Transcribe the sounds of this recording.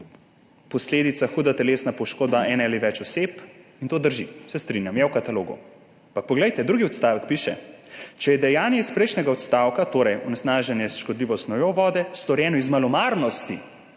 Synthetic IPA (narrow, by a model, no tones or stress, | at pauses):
pɔsleːd̪it̪saxuːd̪at̪ɛleːsnapɔʃkoːd̪aʔɛnaliʋɛt͡ʃɔsepint̪oːd̪əɾʒisɛst̪ɾinjamjawkat̪aloːɡṵ | ampak̚pɔɡlɛjt̪ɛd̪ɾuːɡiɔt̪st̪aːʋəkpiːʃɛ̰t͡ʃɛjɛd̪ɛjaːnjɛispɾɛjʃnɛɡaɔt̪st̪awkat̪oːɾɛjɔnɛsnaːʒɛnjɛsʃkɔd̪liːʋɔst̪nɔjɔʋɔːd̪ɛst̪ɔɾjɛːnɔizmalɔmaɾnɔst̪i